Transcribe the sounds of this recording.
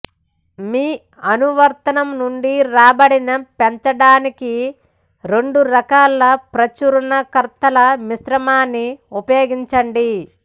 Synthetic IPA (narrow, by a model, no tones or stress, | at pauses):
miː | ɐnuʋɐɾt̪ɐnɐmnuɳɖiɾaːbɐɽinɐpeɲt͡ʃɐɽaːniki | ɾe̞ɳɖuɾɐkaːlɐpɾɐt͡ʃuɾunɐkɐɾt̪ɐlɐmisɾɐmaːnːiupɐjoːɡiɲt͡ʃɐɳɖi